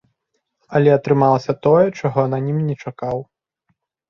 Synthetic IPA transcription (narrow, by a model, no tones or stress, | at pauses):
ɐlʲɛɐt̪ɾɨmalˠɐsʲɐt̪ɔjɛt͡ʂaɣɔnɐnʲimnʲɛt͡ʂakaw